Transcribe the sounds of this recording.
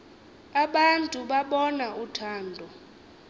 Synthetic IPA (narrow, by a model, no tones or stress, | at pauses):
aɓantʼuɓaɓɔnautʰaːndʱɔ